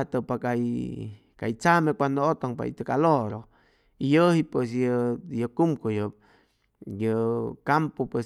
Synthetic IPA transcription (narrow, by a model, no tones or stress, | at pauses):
t̪opakaj | kajt͡samẽkʷand̪oot̪oŋpa̰ḭt̪əkaloɾo | ijəhipwes̬jəjəkumkojo | jəkampopwe